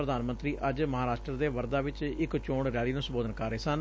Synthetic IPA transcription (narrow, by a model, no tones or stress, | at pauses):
ɾəd̪aːnmənt̪ɾiːʔəd͡ʒməɦaːɾaːʃʈɾəd̪eːʋəɾd̪aːʋɪt͡ʃɪkt͡ʃoːɽɾɪjaːɭiːnũːsəmboːd̪ənkəɾeːsən